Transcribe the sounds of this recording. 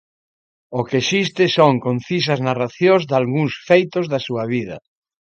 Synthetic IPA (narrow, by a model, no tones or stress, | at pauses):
okeʃist̪ɪsoŋkon̟θis̬ɐznaraθjozd̪alɣuŋsfejt̪ozðɐsuɐβiðɐ̰